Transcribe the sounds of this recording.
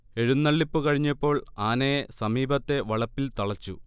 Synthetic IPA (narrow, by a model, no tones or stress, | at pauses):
e̞ɻunːɐɭːipːɨkɐɻiɲːɐpːo̞ːɭaːnɐjesɐmiːbɐt̪ːe̞ʋɐɭɐpːilt̪ɐɭɐt͡ɕːu